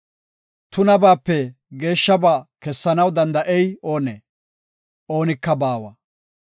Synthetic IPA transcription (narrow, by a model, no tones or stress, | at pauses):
t̪ʊnɐbaːpːɛ | ɡe̞ːʃːɐbakɛsːɐnɐwd̪ɐnd̪ɐʔɛjo̞ːneː | ʔo̞ːnɪkːɐbaːwɐ̰